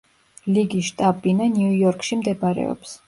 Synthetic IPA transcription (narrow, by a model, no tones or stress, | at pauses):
liɡiʃt̪ʼabinanuujɔɾkʰʼʃimd̪ɛbaɾɛ̰ɔ̰ps